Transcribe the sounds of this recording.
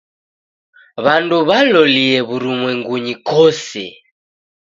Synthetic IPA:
βanduβalɔliɛβuɾumwɛŋɡuɲikɔsɛ̰

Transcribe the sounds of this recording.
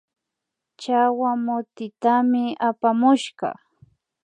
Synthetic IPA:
t͡ʃawamʊt̪ɪt̪amɪapamʊʃɢɑ̰

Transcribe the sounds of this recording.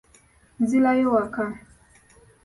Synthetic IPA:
nzilajɔwaka

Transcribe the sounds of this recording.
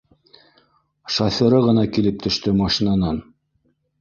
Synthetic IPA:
ʃɑθɤ̆ɾɤʁɤ̆nɑkilɘp̚t̪ʰɵ̆ʃt̪ɵmɑʃinɑnɑn

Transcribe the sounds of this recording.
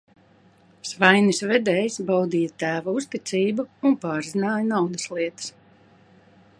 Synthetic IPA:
svajnisvɛd̪ɛːjsbawd̪iːjat̪æːvaust̪it̪sʲiːbuunpaːɾzinaːjanawd̪ɐslˠiɛt̪ə̥s

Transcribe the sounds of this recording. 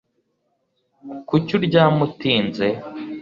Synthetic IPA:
kucuɾɟaːmutiːnze

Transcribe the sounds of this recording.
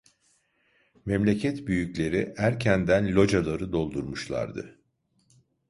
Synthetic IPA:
mɛmlʲe̞cʰɛt̪byjyclʲe̞ɾiʔæɾcʰænd̪ænlʲo̞d͡ʒalˠaɾɯd̪o̞lˠd̪uɾmuʃlˠa̰ɾd̪ɯ̰

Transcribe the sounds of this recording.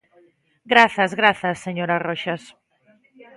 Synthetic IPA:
ɡɾaθɐzɣɾaθɐsːeɲoɾaroʃɐs

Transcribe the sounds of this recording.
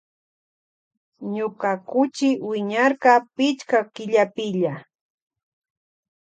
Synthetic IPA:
ɲʊkakʊt͡ʃɪwɪɲaɾqɑpɪt͡ʃkakɪʎapɪʎa

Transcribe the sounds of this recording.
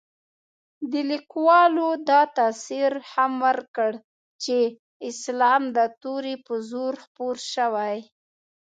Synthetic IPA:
d̪əlikwɑlod̪ɑt̪ɑsiɾhamwəɾkəɽ | t͡ʃe | ɪslɑmd̪ət̪oɾepəzoɾxpoɾʃəwaj

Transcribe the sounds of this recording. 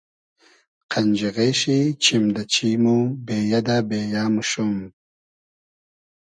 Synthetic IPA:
qʰand͡ʒiɣeʃit͡ɕʰimd̪at͡ɕʰimubeːjad̪abeːjaːmuʃum

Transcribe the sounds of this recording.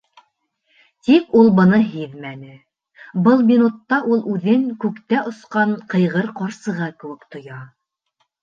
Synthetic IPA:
t̪ikulˠbɤ̆nɤɦiðmænɘ | bɤlˠmʲinut̪ːɑʔulˠʔʉðɘŋkʉkt̪æʔŏsqɑɴqɤ̆jʁɤɾqɑɾsɤ̆ʁɑkɘ̆wɘkt̪ŏjɑ

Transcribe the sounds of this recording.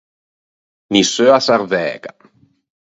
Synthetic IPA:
nisøasaɾvɛ̰ːɡa

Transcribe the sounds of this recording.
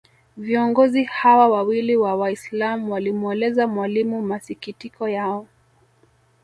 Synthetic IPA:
viɔŋɡɔzihawawawiliwawaislamuwalimuɛlɛzamwalimumasikitikɔjaɔ

